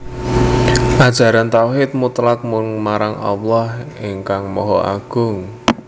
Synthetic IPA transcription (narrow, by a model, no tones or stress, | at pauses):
ʔad̥ʒ̥a̤ɾant̪awɦɪt̪̚mut̪lak̚mʊnmaɾaŋʔa̰wlɔhiŋkaŋmɔɦɔʔa̰ɡ̥ʊ̤ŋ